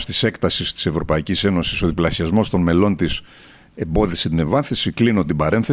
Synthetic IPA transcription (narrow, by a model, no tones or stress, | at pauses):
st̪ise̞kt̪ɐsist̪i̥se̞vɾo̞pɐicise̞no̞siso̞ðiplɐsiɐzmo̞st̪o̞nme̞lo̞nt̪is | e̞mbo̞ðisit̪ine̞vɐθisiklinut̪ibɐɾe̞nθe